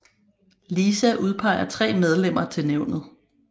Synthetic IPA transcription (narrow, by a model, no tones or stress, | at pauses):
liːsæʔuð̞ˠpʰɑ̈ɪ̰ɐt͡sʰʁɛ̰ːmeð̞ˠlem̰ɐt͡sʰe̝lneʊnð̞̩ˠ